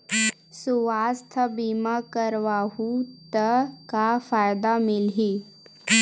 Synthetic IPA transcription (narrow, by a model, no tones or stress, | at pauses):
suʋaːst̪ʰəbiːmakəɾʋaːɦut̪əkafaːjd̪amɪlɦi